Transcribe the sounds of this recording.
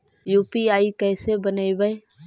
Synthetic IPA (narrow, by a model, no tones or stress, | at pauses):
juːpiaːikɛːsebənəiʋəe